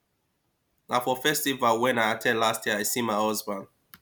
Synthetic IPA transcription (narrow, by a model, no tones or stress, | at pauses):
nafɔfɛstivalˠwɛ̃naɪatʰɛ̃nlastjɛəaɪsĩmaɪɔzbãn